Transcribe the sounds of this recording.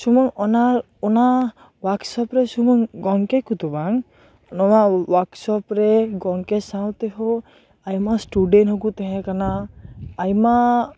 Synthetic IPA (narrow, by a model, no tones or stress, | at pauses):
sumɔŋɔnaɾ | una | waksɔpɾesumɔŋɡɔŋkekut̪ubaŋ | nɔwawaksɔpɾeɡɔŋkesawt̪eɦo | ajmasʈuɖenɦɔkut̪ɛɦɛ̃kanaː | jma